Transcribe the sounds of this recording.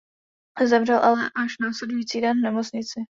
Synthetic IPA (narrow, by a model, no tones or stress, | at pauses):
zɛvr̝ɛlʔalɛʔaʃnaːslɛdujiːt͡siːdɛnvnɛmot͡sɲɪt͡sɪ